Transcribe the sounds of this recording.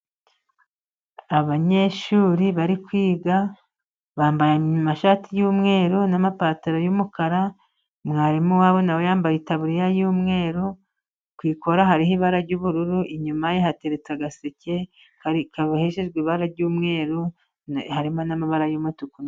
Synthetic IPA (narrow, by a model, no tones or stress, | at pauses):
aβaɲe̞ʃuːɾiβaɾikwiːɡa | βaːmbajamaʃatijuːmŋe̞ːɾunamapaːtaɾojumukaɾa | mŋaːɾimuwaːβo̞nawejaːmbajetaβuɾijajuːmŋe̞ːɾu | kwiːko̞ɾaɦaɾiɦiβaɾaɾɟuːβuɾuɾuʔiɲumajeɦateɾet͡saɡasece̞ | kikaβaheʃeʒɡwiːβaɾaɾɟuːmŋe̞ːɾu | haɾimonamaβaɾajuːmŋutukun